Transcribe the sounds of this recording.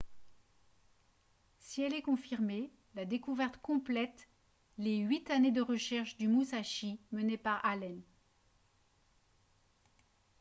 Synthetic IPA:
siɛlɛkɔ̃fiʁme | lad̪ekuvɛʁt̪kɔ̃plɛt̪ | leɥit̪aned̪əʁəʃɛʁʃd̪ymusaʃimənepaʁalɛn

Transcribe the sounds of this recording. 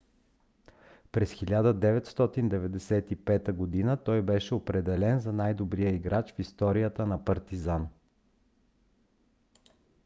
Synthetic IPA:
pɾɛsxilʲad̪əd̪ɛvɛt̪st̪ɔt̪ind̪ɛvɛd̪ɛsɛt̪ipɛt̪əɡod̪inət̪ɔjbɛʃɛopɾɛd̪ɛlɛnzɐnajd̪obɾijəiɡɾat͡ʃfist̪ɔɾijət̪ənɐpɐɾt̪izan

